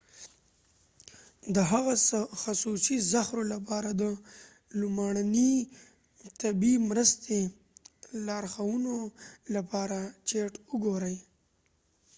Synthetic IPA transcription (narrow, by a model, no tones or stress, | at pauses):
d̪əɦaɣasxasusizaxɾolapɑɾad̪ə | lʊmaɽani | t̪abimɾəst̪ʰe | lɑɾxawunolapɑɾat͡ʃeʈʊɡoɾəj